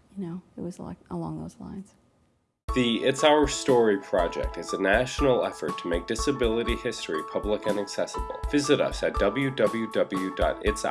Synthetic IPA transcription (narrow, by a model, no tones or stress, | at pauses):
jɨnoʊɨt̚wʌzla̰ɪkʔəlɔ̰̃ŋðo̰ʊz̥lã̰ɪ̃nz̥ | ðiɪtsaʊə˞stɔɹipʰɹ̥ɑd͡ʒɛ̰k̚tɨzɨnæʃn̩l̩ˠɛfə̰˞tʰəmeɪk̚d̥ɨsɨbɪlˠəɾihɪstɹ̥ipʰʌbləkɨ̃nɨksɛsəbl̩ˠvɪzɨɾʌ̰sɨt̚d̥ʌbl̩ˠjʉdʌbl̩ˠjʉdʌbl̩ˠjʉdɑ̰ɾɪts